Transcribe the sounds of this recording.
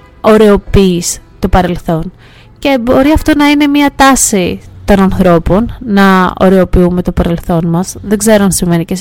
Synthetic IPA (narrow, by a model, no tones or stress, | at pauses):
o̞ɾeo̞piːst̪o̞pɐɾe̞lθo̞n | ce̞bo̞ɾiɐft̪o̞nɐine̞miɐt̪ɐsit̪o̞nɐnθɾo̞po̞nːɐo̰ɾeo̞piume̞t̪o̞pɐɾe̞lθo̞nmɐsðeɡze̞ɾoɐnsiɱve̞nices